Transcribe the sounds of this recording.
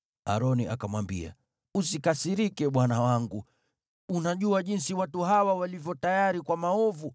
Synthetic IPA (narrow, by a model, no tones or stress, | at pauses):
a̰ɾɔniakamwambḭa̰ | usikasiɾikɛɓwanawaŋɡu | unaʄuaʄinsiwatuɦawawalivjɔtajaɾikwamaɔvu